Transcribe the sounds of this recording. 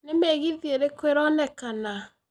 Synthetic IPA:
nemɛɣiðieɾekweɾɔnɛkana

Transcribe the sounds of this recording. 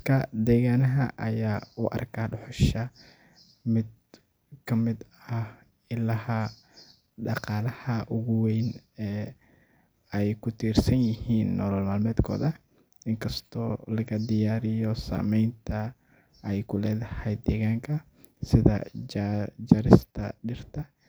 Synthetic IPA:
kʰɐd̪ɛːɣaːnɐɦɐʔɐjaːʊʔɐ̰rkʰaːɖʊħɔʃɐ | mɪd̪ | kʰɐmɪd̪ | ɐh | ɪlɐhɐ | ɖɑqɑːlɐhɐʔʊɣʊwɛjnɛː | ɛjkʰʊt̪ʰiːrsɐnjɪhiːnːɔːlɔlmaːlmɛːd̪kʰɔ̰ːðɐ | ɪŋkʰɐst̪ʰɔ̰ːlɐɣɐd̪ɪjaːɾɪjɔsa̰ːmɛjnt̪ʰɐ | ɛjkʰʊlɛːðɐhɛjd̪ɛːɣaːŋkʰɐ | sɪðɐ̰ | d͡ʒɐɾɪst̪ʰɐ̰ɖɪrt̪ʰɐ

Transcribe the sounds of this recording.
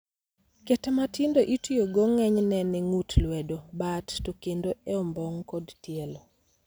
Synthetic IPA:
ketɛmatɪndoʔitijoɡoŋɛɲnɛnɛŋutlwɛdobattokendoɛɔmbɔŋkɔdtjelo

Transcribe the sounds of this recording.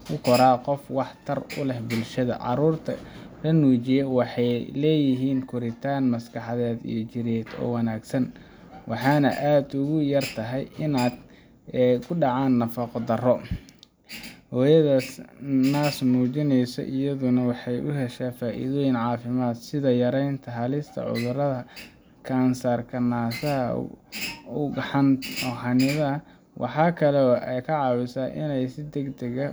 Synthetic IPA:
ʊkʰɔɾaːqɔfwɑħt̪ʰɐrʊ̰lɛhbʊlʃɐðɐ̰ʕɑ̰ɾuːrt̪ʰɐ̰lɐnuːt͡ʃɪjɛwɑħɑjlɛːjɪɦiːnkʰʊɾɪt̪ʰaːnmɐskʰɑħɑðɛːd̪ḭjɔt͡ʃɪɾɛːd̪ɔ̰ːwɑnaːɡsɐn | wɑħɑːnɐ̰ʔaːd̪ʊɣʊjɐrt̪ʰɐɦɛjʔɪnaːd̪ | kʰʊɖɑʕɑːnːɐfɐqd̪ɐrɔ | hɔːjɐðɐnaːsmuːt͡ʃɪnɛjsɔ̰ʔɪjɐðʊnɐwɑħɑjʔʊɦɛʃaːfaːʔḭðɔːjɪnʕɑːfɪmaːd̪sɪðɐjɐɾɛjnt̪ʰɐɦɐlɪst̪ʰɐ̰ʕʊ̰ðʊrɐðɐ | kʰaːnsaːrkʰɐnaːsɐɐ̰ | ʊɡħɑnɔɦɑnɪðɐ | wʔɑ̰ħɑːkʰɐlɛʔɛjkʰɐʕɑːwɪsaːʔɪnɛjsɪd̪ɛɡd̪ɐɣɐ

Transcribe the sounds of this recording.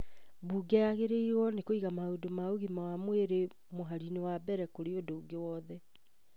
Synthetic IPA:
buːɡɛaɣeɾeiɾwɔnekoiɣamaodomaoɣimawamweɾe | moɦaɾinewabɛɾɛkoɾeodouɡewɔðɛ

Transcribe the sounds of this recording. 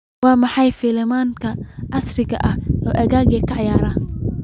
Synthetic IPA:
wɑːmɑħɑjfiːlɪmaːŋkʰɐʔɑsrɪɡɐʔɐhʔɔːʔɐɣaːɣikʰɐʕjaːɾɐː

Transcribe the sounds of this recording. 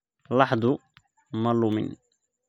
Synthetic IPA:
lɑħd̪ˤu | malːumɪ̰n

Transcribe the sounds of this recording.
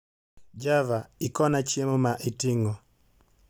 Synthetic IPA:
d͡ʒavaikɔnat͡ʃiɛmumaʔitiŋɡɔ

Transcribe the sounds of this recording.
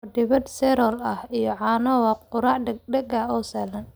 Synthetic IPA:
dɪβɐd̪sɛɾɔlɐhijɔʕɑːnɐwɐqʊɾaːʕɖɐɡaːɔːsalɐn

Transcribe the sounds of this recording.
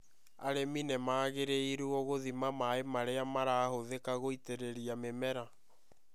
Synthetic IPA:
aɾeminemaːɣeɾeiɾuɔɣoðimamaemaɾeamaɾaːhoðekaɣoiteɾeɾiamemɛɾa

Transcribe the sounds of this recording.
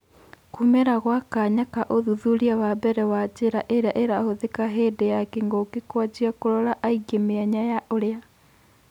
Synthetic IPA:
kumeɾaɣwakaɲakaʔoðuðuɾiawabɛɾɛwad͡ʒeɾaʔeɾaʔeɾahoðekaɦeːdejakeŋɡokekwad͡ʒiakoɾɔɾaʔaiɡemeaɲajaoɾea

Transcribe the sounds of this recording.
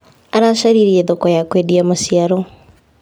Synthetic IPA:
aɾaʃaɾiɾieðokɔjakweːdiamosiaɾo

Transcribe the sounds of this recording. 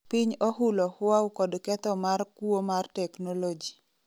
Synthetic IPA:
piɲoɦulɔhʊwaukɔdkɛt̪ɔmarkwomartɛknolod͡ʒi

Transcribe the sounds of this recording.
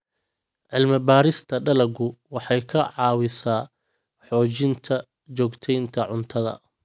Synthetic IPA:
ʕɪlmɪbaːɾɪst̪ʰɐɖɐlɐɡʊwɑħɑjkʰɐʕɑːwɪsaː | ħɔːt͡ʃɪnt̪ʰɐ | t͡ʃɔːɡt̪ʰɛjnt̪ʰɐʕʊnt̪ʰɐðɐ̰

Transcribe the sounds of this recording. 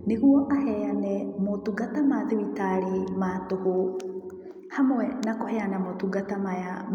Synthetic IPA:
neɣuɔʔahɛanɛmotuɡatamaðeβitaɾematoho | hamoɛnakohɛanamotuɡatamajam

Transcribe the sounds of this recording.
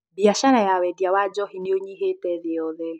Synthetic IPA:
biaʃaɾajawɛdiawad͡ʒɔhinioɲiɦetɛðɪɔðɛ

